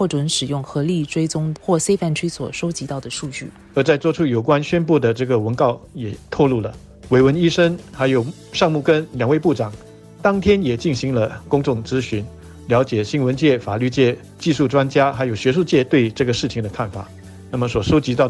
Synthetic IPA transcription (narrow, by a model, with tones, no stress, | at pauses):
xwɔ˥˩ʈ͡ʂwə˧˥nʂɻ̩˨˩jʊ˥˩ŋxɤ˧˥li˥˩ʈ͡ʂwe˥ɪt͡sʊ˥ŋxwɔ˥˩se˥ɪfa˥˩nt͡ɕʰy˥swɔ˨˩ʂo˥ʊt͡ɕi˧˥t̪ɑ˥˩ʊd̪ə˩ʂu˥˧t͡ɕy̰˥˩ | ə˧˥t͡sa˥˧ɪt͡swɔ˥ʈ͡ʂʰu˥jo˨˩ʊkwa˦˥nɕɥɛ˥npu˥˩d̪ə˩ʈ͡ʂɤ˥˩ɡə˩wə˧˥nkɑ˥˩ʊjɛ˨˩t̪ʰɔ˥˧ʊlu˥˩lə˩ | we˧˥ɪwə˧˥ni˥ʂə˥ŋxa˧˥ɪjo˨˩ʊ | ʂɑ˥˧ŋmu˥˩kə˥nljɑ˨˩ŋwe˥˧ɪpu˥˩ʈ͡ʂɑ˨˩˦ŋ | t̪ɑ˥ŋt̪ʰjɛ˥njɛ˨˩t͡ɕi˥˩nɕi˧˥ŋlə˧kʊ˥ŋʈ͡ʂʊ˥˩ŋt͡sɹ̩˥ɕy˧˥n | ljɑ˧˥ʊt͡ɕjɛ˨˩ɕi˥nwə˧˥nt͡ɕjɛ˥˩fa̰˨˩ly˥˧t͡ɕjɛ˥˧ | t͡ɕi˥˧ʂu˥˩ʈ͡ʂwa˥nt͡ɕja˥xa˧˥ɪjo˨˩ʊɕɥɛ˧˥ʂu˥˧t͡ɕjɛ˥˧t̪we˥˧ɪʈ͡ʂɤ˥˩ɡə˩ʂɻ̩˥˩t͡ɕʰi˨˩ŋd̪ə˧kʰa˥˩nfa̰˨˩˦ | na˥˩mə˩swɔ˨˩ʂo˥ʊt͡ɕi˧˥t̪ɑ˥˩ʊ